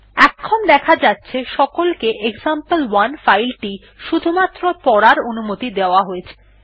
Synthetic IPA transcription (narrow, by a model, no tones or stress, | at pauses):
ɛkʰːɔmd̪ɛkʰad͡ʑatːɕʰeʃɔkolkeʔekzampəlwanfajlʈi | ʃud̪ʱumat̪ːɾopɔɽaɾonumot̪id̪eoaɦoet͡ɕʰe̥